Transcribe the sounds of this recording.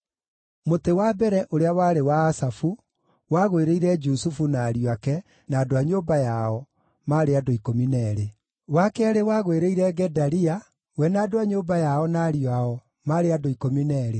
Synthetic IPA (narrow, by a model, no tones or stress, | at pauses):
motewabɛɾɛʔoɾeawaːɾewaːsafu | waɣweɾeiɾɛd͡ʒusufunaːɾiwakɛ | naːdoaɲoːbajaɔ | maːɾeadoikominɛɾe | wakeaɾewaɣweɾeiɾɛɡɛdaɾia | wɛnaːdoaɲoːbajaɔnaːɾiaɔ | maːɾeadoikominɛɾe